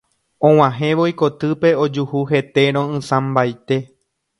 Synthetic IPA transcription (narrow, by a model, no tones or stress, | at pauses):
õw̃ãɦẽʋo̞iko̞t̪ɨpe̞od͡ʒuhuɦe̞t̪e̞ɾ̃õɨ̃sãmbajt̪e̞